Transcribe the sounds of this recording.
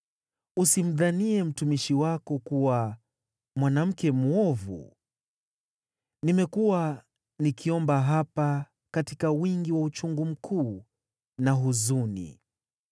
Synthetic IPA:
usim̩ðaniɛm̩tumiʃiwakɔkuwa | mwanam̩kɛmuɔvṵ | nimɛkuwa | nikʰiɔmbaɦapa | katikawiŋɡiwaut͡ʃuŋɡum̩kʰuː | naɦuzunḭ

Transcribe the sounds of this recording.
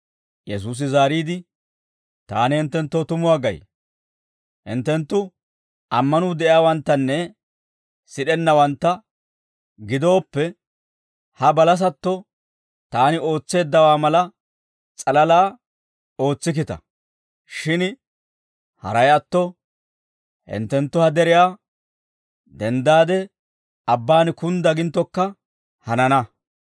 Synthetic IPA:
jɛs̬uːs̬ɪzaːɾiːd̪ɪ | t̪aːnɪhɪnt̪ːɛnt̪ːɔt̪ʊmʊwaːɡɐ̰j | ɪnt̪ːɛnt̪ːʊ | ʔɐmːɐnʊd̪ɛʔɪaːwɐnt̪ːɐnːɛ | sɪɗɛnːɐwɐnt̪ːɐ | ɡɪd̪o̞ːpːɛ | hɐbɐlɐs̬ɐt̪ːɔ | t̪aːnɪo̞ːt͡sːe̞ːd̪ːɐwaːmɐlɐ | t͡sʼɐlɐlaː | o̞ːt͡sːɪk̬ɪt̪ɐ̰ | ʃɪn | hɐ̰ɾɐjɐt̪ːɔ | hɪ̰nt̪ːɛnt̪ːʊhɐd̪ɛɾɪjaː | d̪ɛnd̪aːd̪ɛ | ɐbːaːnkʊnd̪ɐɡɪnt̪ːɔkːɐ | hɐnɐnɐ

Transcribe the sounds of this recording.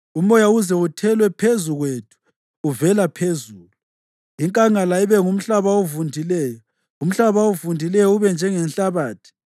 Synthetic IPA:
umɔjauzɛutʰɛlwɛpʰezuɣwetʰu̥ː | vɛlapʰezuːlu | iŋkʼaŋalaiβɛŋum̩ɬaβaovundʱilɛːjɔ | um̩ɬaβaovundʱilɛjɔuβɛnd͡ʒʱɛŋɛnɬaβaːtʰi̥

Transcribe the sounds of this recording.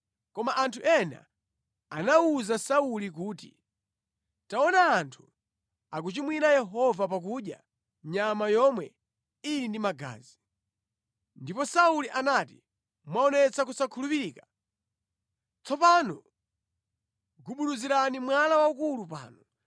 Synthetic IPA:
kɔmaʔantʰuʔɛna̰ | anauzasaulikuːtḭ | taɔnaːntʰu | ak̬ut͡ʃimwinajɛɦɔvap̬ak̬uɗja̰ | ɲamajɔmwɛ | ijindimaɡa̰ːzi | ndipɔsauliʔanati | mwaɔnɛt͡sakusakʰulupiɾiːka | t͡sɔpanɔ | ɡuɓuluziɾanimwalawaukulupa̰ːnɔ

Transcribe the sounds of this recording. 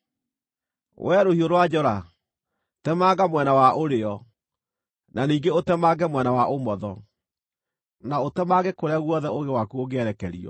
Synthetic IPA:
wʔɛɾohioɾwad͡ʒɔɾa | tɛmaɡamwɛnawaʔoɾeɔ | naniːɡeotɛmaɡɛmwɛnawaʔomɔðɔ | naotɛmaɣekoɾaɣwɔðɛoɣewakuoɣeɛɾɛkɛɾḭɔ̰

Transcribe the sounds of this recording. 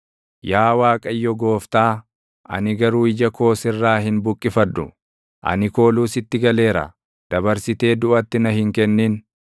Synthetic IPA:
jaːwaːkʼɐjːɔɡo̞ːft̪aː | ʔɐ̰nɪɡɐɾuːɪd͡ʒɐko̞ːsɪrːaːɦɪnbʊkʼːɪfɐd̪ːʊ̰ | ʔɐ̰nɪko̞ːluːsɪt̪ːɪɡɐle̞ːɾɐ̰ | d̪̥ɐbɐɾsɪt̪e̞ːd̪ʊʔɐt̪ːɪnɐhɪŋkɛnːiːn

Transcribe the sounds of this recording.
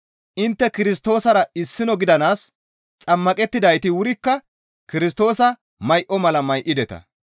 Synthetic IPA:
ʔɪnt̪ːɛkɪɾɪs̬t̪o̞ːsɐɾɐɪsːɪnɔɡɪd̪ɐnaːs | t͡sʼɐmːɐkʼɛt̪ːɪd̪ɐjt̪ɪwʊɾɪkːɐ | kɪɾɪs̬t̪o̞ːsɐ | mɐjʔɔmɐlɐmɐjʔɪd̪ɛt̪ɐ̰

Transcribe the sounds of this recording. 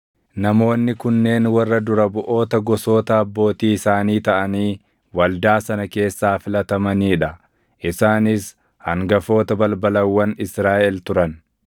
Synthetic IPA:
nɐmo̞ːnːɪkʊnːe̞ːnwɐrːɐd̪ʊɾɐbʊʔo̞ːt̪ɐɡɔso̞ːt̪ɐːbːo̞ːt̪iːɪsaːniːt̪ɐʔɐniː | wɐld̪aːsɐnɐke̞ːsːaːfɪlɐt̪ɐmɐniːᶑɐ | ʔɪsaːnɪs | hɐŋɡɐfo̞ːt̪ɐbɐlbɐlɐwːɐnɪsɾaːʔɛlt̪ʊɾɐn

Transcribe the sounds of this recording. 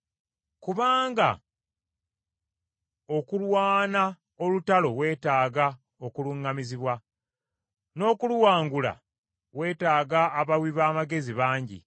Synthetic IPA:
kuβaːŋɡa̰ | o̞kulwaːna | o̞lutalo̞we̞ːtaːɡa | okuluŋːamiziβwa | no̞ːkuluwaːŋɡula̰ | we̞ːtaːɡaːβawiβaːmaɡe̞ziβaːɲɟḭ

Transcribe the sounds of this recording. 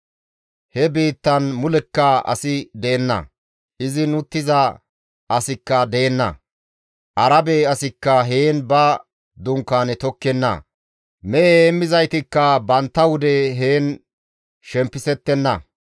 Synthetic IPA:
hɛbeːt̪ːɐnmʊlɛkːɐɐ̰sɪd̪eːnːɐ̰ | ʔɪzɪnʊt̪ːɪzɐ | ʔɐsɪkːɐd̪eːnːɐ̰ | ʔɐɾɐbeɐsɪkːɐɦeːnbɐ | d̪ʊŋkːaːnɛt̪ɔkːɛnːɐ̰ | mɛʔeːmːɪzɐjt̪ɪkːɐbɐnt̪ːɐwʊd̪ɛɦeːn | ʃɛmpːɪsɛt̪ːɛnːɐ

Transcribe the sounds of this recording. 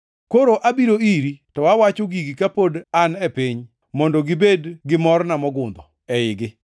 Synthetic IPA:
koɾoʔabiɾoiɾitɔwawat͡ʃoɡiɡikapodanɛpiɲ | mɔndɔɡɪbedɡɪmɔrnamɔɡʊnd̪ɔ | ɛɪɡɪ

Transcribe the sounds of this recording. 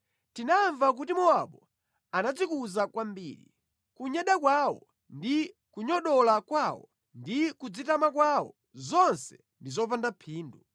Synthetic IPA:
tinaɱvak̬utimɔaɓɔ | anad͡zikuzakwambḭːɾḭ | kuɲɛɗakwaːwɔ̰ | ndi | kuɲɔɗɔlakwawɔ̰ | ndikud͡zitamakwawɔ̰ | zɔnsɛ | ndizɔpandapʰiːndu

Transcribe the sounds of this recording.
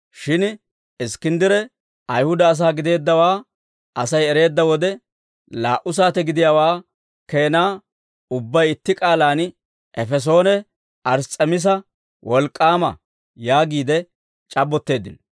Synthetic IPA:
ʃɪn | ɪskɪnd̪ɪɾɛ | ʔɐjhʊd̪ɐːs̬aːɡɪd̪e̞ːd̪ːɐwaː | ʔɐsɐjɛɾe̞ːd̪ːɐwɔd̪ɛ | laːʔʊs̬aːt̪ɛɡɪd̪ɪjaːwaː | ke̞ːnaː | ʊbːɐjɪt̪ːɪkʼaːlaːn | ʔɛfɛs̬o̞ːnɛ | ʔɐɾt͡sʼːɛmɪs̬ɐ | wɔlkʼːaːmɐ̰ | jaːɡiːd̪ɛ | t͡ʃʼɐbːɔt̪ːe̞ːd̪ɪ̰n

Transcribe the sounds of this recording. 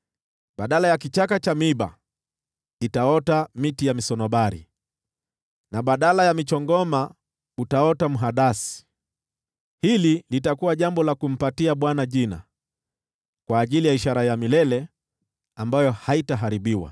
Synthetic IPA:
ɓaɗalajakit͡ʃakat͡ʃamiɓa̰ | itaɔtamitijamisɔnɔɓaɾḭ | naɓaɗalajamit͡ʃɔŋɡɔma | utaɔtamuɦaɗasi̥ | hililitakuwaʄambɔlakum̩patiaɓwanaʄina̰ | kwaːʄilijaiʃaɾajamilɛlɛ | ambajɔhaitaɦaɾiɓiwa̰

